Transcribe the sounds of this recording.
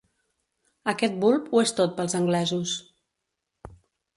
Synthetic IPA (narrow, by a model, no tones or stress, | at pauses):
əkɛt̪̚bulˠpuest̪ot̪̚pəlˠzəŋɡlɛzus